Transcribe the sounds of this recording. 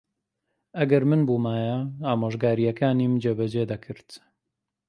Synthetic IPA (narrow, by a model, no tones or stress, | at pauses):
ɐɡɐɾmɨnbuːmaːjɐaːmoːʒɡaːɾijɐkaːniːmd͡ʒeːbɐd͡ʒeːd̪ɐkʰɨɾt̪